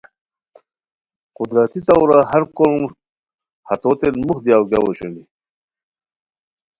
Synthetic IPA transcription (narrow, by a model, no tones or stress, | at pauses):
qʊd̪ɾat̪it̪awɾahaɾkolm | hat̪ot̪enmuxd̪jawɡjawoɕini